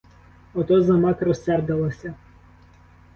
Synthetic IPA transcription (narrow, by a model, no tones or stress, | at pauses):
ɔt̪ɔzɐmɑkrɔsɛrd̪ɐlˠɐsʲɐ